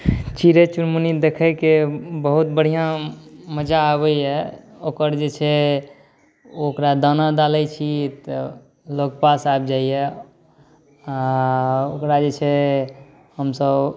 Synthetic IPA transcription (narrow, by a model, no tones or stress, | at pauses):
t͡ʃiɾet͡ʃuɾmunid̪ekʰəkebəɦut̪̚bəɽ̤ijãməd͡ʒaːβəjɛokəɾd͡ʒet͡ʃʰɛ | okɾad̪anad̪aləjt͡ʃʰit̪ | lok̚pasab̚d͡ʒaiɛ | a | okɾad͡ʒet͡ʃʰɛ | həmsəb